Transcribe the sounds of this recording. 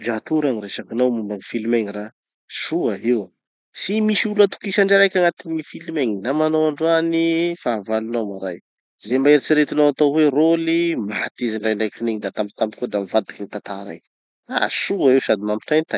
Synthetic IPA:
d͡ʒat̪uɾaŋiɾeʃakinawmumbaŋifilimeŋira | suaew | simisulət̪u̥kiʃaɳɖ͡ʐaɾajkʲaŋat̪inifilimeŋinamanowaɳɖ͡ʐuanifavalunawmaɾaj | zembaeɾit͡siɾet̪inawat̪awwerolimat̪iziɳɖ͡ʐajɳɖ͡ʐajkfineɲid̪at̪ampt̪ampikudamivad̪i̥kinit̪at̪aɾa̰j | a̰suaewsad̪imampi̥ʈ͡ʂajnt̪a

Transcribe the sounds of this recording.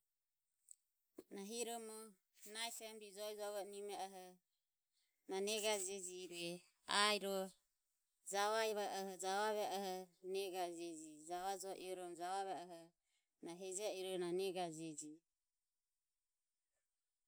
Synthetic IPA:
naɦiɾɔmɔ | najsɛmbid͡ʒɔid͡ʒɔβɔnimɛaɦɔ | nanɛɡad͡ʒɛd͡ʒiɾɛ | aiɾɔ | d͡ʒaβaiβaʔɔhɔd͡ʒaβaβɛʔahɔnɛɡad͡ʒɛd͡ʒid͡ʒaβad͡ʒɔʔiɾɔmd͡ʒaβaβɛɔɦɔ | naɦɛd͡ʒaiɾɔnanɛɡad͡ʒɛd͡ʒi

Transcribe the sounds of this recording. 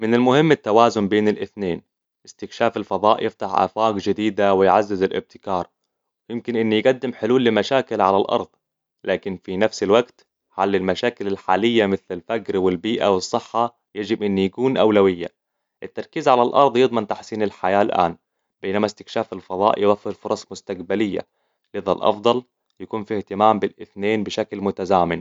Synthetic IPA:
mɪnɪlmʊhɪmːɪt̪ːawaːzʊnbeːnɪlʔɪθneːn | ʔɪst̪ɪkʃaːfɪlfɑðˤɑːʔjɪft̪aħʔa̰ːfaːqd͡ʒɪd̪iːd̪awɪjʕazːɪzɪlʔɪ̰b̚t̪ɪ̥kɑːɾˤ | jɪmkɪnʔɪnːijɡad̪ːɪmħɪluːlːɪmaʃaːkɪlʕalalʔɑ̰ɾˤd̪̥ˤ | laːkɪnfinafsɪlwaɡt̪ | ħalːɪlmaʃaːkɪlɪlħaːlɪjːamɪθlɪlfakɾwɪlbiːʔa̰wɨsˤːɨħːɑ | jad͡ʒɪbʔɪnːijakuːnʔawlawɪjːa̰ | ʔɪt̪ːɑɾˤkiːzʕalalʔɑɾˤd̪ˤjɨd̪ˤmɪnt̪aħsiːnɪlħajaːlʔa̰ːn | b̥eːnamast̪ɪ̥kʃaːfɪlfɑðˤɑ̰ːʔjɪwafːɪɾfʊɾˤɑsˤmʊst̪aqbalɪjːa̰ | lɪða̰lʔɑ̰fd̪ˤɑl | jakuːnfiht̪ɪmaːmbɪlʔɪθneːnbɪʃaklmʊt̪azaːmɪn

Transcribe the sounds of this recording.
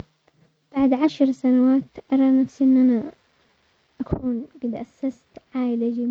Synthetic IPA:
b̥aʕd̪ʕaʃɾsanawaːt̪ʔɑɾˤɑːnafsiʔɪnːʔana | ʔakʰuːnɡɪd̪ʔasːast̪ʕaːjlad͡ʒi

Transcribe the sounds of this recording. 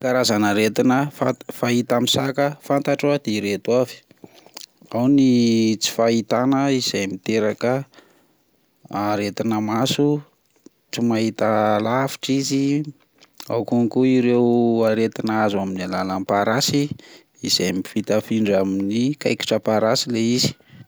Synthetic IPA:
kaɾazanaɾet̪inəfafaɦit̪amisakəfant̪aʈ͡ʂwad̪̥eiɾet̪uavi̥ | awnit͡si̥fait̪anəiz̥ajmit̪eɾakə | aɾet̪inəmasu | t͡simaɦit̪əlafi̥ʈ͡ʂizi | a̰wkuŋkuiɾewaɾet̪inazaminalalampaɾasiː | zejmifit̪afiɳɖ͡ʐaminikajki̥ʈ͡ʂəpaɾasileizi̥

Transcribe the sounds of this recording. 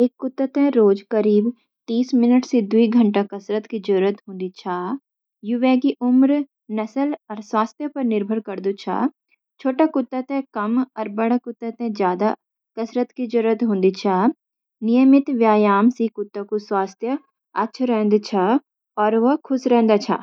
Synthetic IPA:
eːkːʊt̪ːət̪ɛ̃ɾoːd͡ʒkəɾiːb | t̪iːsmɪnəʈsid̪uiɡʱə̃ɳʈakɐsɾət̪kid͡ʒʊɾɾət̪ɦõːnd̪it͡ʃʰaː | jʊʋɛːkiʔʊmɾ | nɐsəlɔːɾswaːst̪ʰjəpɐɾnɪɾbʱəɾkɐɾd̪ut͡ʃʰa̰ː | t͡ʃʰoːʈakʊt̪ːət̪ɛ̃kɐmɔːɾbɐɽakʊt̪ːət̪ɛ̃d͡ʒjaːd̪a | kɐsɾət̪kid͡ʒʊɾət̪ɦõːnd̪it͡ʃʰaː | nɪjəmɪt̪ʋjaːjaːmsikʊt̪ːakuswaːst̪ʰjə | ɐtːʃʰɾɛ̃ːnd̪t͡ʃʰa | ɔːɾʋɐkʰʊsɾɛ̃ɦːnd̪at͡ʃʰa̰ː

